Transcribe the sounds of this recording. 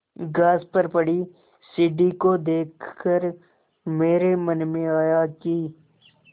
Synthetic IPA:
ɡaːzpəɾpɐɽi | siːɖikod̪eːkʰkəɾ | meːɾemənmẽaːjakiː

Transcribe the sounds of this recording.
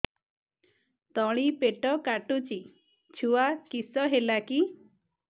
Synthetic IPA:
t̪ɔɭ̃ipeʈɔkaʈut͡ʃi | t͡ʃʰuwakisɔɦelaki

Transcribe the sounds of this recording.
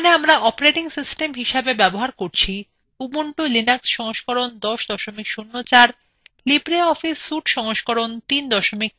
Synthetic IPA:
oneamɾaʔɔpoɾeʈiŋsisʈemɦiʃebebɛboɦaɾkoɾt͡ɕʰi | ubuɳʈulinaksʃɔŋoʃkɔɾond̪ɔʃd̪ɔʃomikʃunːot͡ɕaɾ | libɾeɔfisːuʈʃɔŋoʃkɔɾont̪ind̪ɔʃomik̚

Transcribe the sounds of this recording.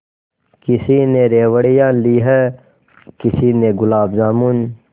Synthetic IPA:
kɪsineɾeːwəɽijãːliːɦɛ | kɪsineɡʊlaːbzaːmun

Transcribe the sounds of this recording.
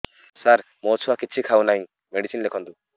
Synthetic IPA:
saɾ | mot͡ʃʰuakit͡ʃʰikʰawnaj̃ | meɖisinlekʰɔnt̪u

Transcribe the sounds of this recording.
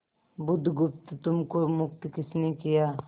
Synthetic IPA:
bʊd̪ʱɡʊpt̪t̪ʊmkomʊk̚t̪kɪsnekijaː

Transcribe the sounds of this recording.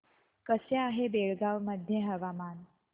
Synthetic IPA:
kəseaɦebeɭɡaʋməd̪ʱjẽɦəʋaman

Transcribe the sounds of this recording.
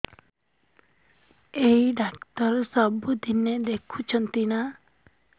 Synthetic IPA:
ejɖakt̪ɔɾsɔbud̪ʱined̪ekʰut͡ʃʰɔnt̪ina

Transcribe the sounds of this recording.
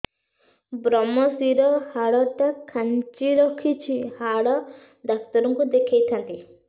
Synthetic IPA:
bɾɔmɔsiɾɔhaɭɔʈakʰant͡ʃiɾɔkʰit͡ʃʰihaɭɔ | d̪ak̚t̪ɔɾɔŋkud̪ekʰajt̪ʰant̪i

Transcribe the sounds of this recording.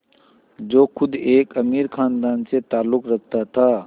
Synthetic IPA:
d͡ʒoːkʰʊd̪eːkəmiːɾkʰaːnd̪aːnset̪aːlːʊkɾɐk̚ʰt̪at̪ʰaː

